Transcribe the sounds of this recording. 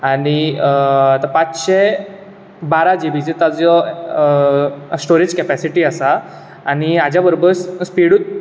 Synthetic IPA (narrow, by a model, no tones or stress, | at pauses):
aɽ̃i | t̪əpat͡sɕe | baɾad͡ʑebit͡set̪ad͡zɔ | sʈoɾed͡ʑkɛpæsiʈiːasaː | ñiad͡ʑjabəɾobəɾsspiɽuːt̪̚